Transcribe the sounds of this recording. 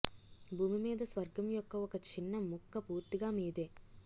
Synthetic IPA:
bʱuːmimeːd̪ɐsʋɐɾɡɐmjɔkːɐɔkːɐt͡ʃʰinːɐmukːɐpuːɾt̪iɡaːmiːd̪e

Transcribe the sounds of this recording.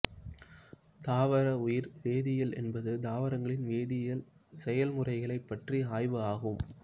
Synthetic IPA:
d̪aːʋɐɾɐʊjɪɾʋeːðɪjɐlʔɛ̰nbɐðɯd̪aːʋɐɾɐŋɡɐɭɪnʋeːðɪjɐlsɛjɐlmʊrɐɪɣɐɭɐɪpːɐʈriaːjʋɯaːɣɯm

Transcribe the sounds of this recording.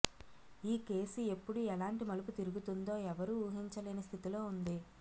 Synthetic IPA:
iːke̞ːsue̞pːuɽuɛlaːɳʈimɐlup̬ut̪iɾuɡut̪und̪o̞ːɛʋɐɾuuːɦiɲt͡ʃɐleːnɐst̪ʰit̪ilo̞ːund̪i

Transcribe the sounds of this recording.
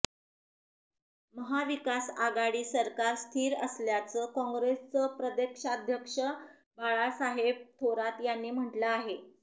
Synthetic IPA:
məɦaʋikasaɡaɽiːsəɾkaɾst̪ʰiːɾəsljat͡səːkɔ̃ŋɡɾest͡səpɾəd̪ekʂaːd̪ʱjəkʂə | baɭasaɦeb̚t̪ʰoɾat̪janːiːm̤əʈləaɦe

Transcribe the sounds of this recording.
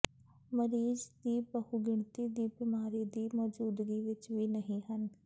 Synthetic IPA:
məɾiːzd̪iːbəhuɡɪɳ̃t̪id̪iːbɪmaːɾid̪iːmɔːd͡ʒuːd̪ɡiʋɪt͡ʃʋiːnəɦĩɦən

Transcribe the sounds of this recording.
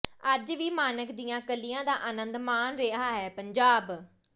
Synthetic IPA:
əd͡ʒʋiːmaːnəkd̪ijãːkəlːijãːd̪aːʔənə̃nd̪maːnɾeɦaːɦɛːpəɲd͡ʒaːb

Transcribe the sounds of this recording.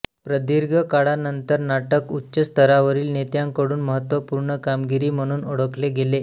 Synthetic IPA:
pɾəd̪iɾɡʱəkaɽanənt̪əɾnaʈəkutːɕəst̪ʰəɾaʋəɾiːlnet̪jãŋkəɽuːnməɦət̪ʋəpuɾɳəkamɡiɾiːm̤əɽ̃uːnoɽəkleɡele

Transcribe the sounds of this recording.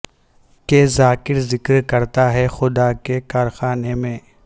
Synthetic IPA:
kezaːkɪɾzɪkɾkɐɾt̪aɦɛxʊd̪akekaːɾxaːnemẽː

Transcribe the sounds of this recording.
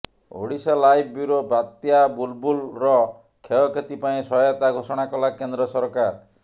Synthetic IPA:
o̰ɽisɔlajb̚ʰʱbuɾobat̪jabulbulɾɔ | kʰeɔkʰet̪ipaĩsɔɔt̪aɡʱosɔɽ̃akɔlakend̪ɾɔsɔɾkaɾ

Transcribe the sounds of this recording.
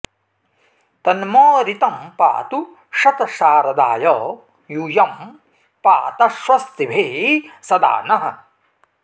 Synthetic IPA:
t̪ɐnmoːɾit̪ɐmpa̰ːt̪u | ʃɐt̪ɐʃaːɾɐd̪aːjɔː | juːjɐm | paːt̪ɐʃʋɐst̪ibʱeːsɐd̪a̰ːnɐɦɐ̰̆

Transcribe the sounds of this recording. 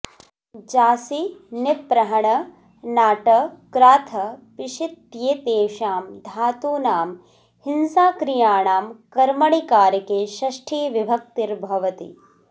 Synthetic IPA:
d͡ʒaːsinɪpɾɐɦɐɳɐ | naːʈɐkɾaːt̪ʰɐpiʃit̪̚ːjeːt̪eːʃaːmd̪ʱaːt̪uːnaːm | hinsaːkɾijaːɳaːmkɐɾmɐɳikaːɾɐkeːʃɐʃʈʰiːʋibʱɐk̚t̪iɾbʱɐʋɐt̪ḭ

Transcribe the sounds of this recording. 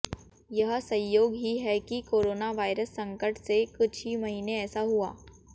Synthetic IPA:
jɐɦsɐ̃jjoːɡɦiɦɛkikoːɾoːnaʋaːɪɾəsːɐ̃ŋkəɾʈsekʊt͡ʃʰimɐɦiːneɛːsaɦuaː

